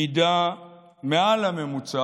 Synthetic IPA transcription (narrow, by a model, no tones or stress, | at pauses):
ida | mɛalamɛmut͡sa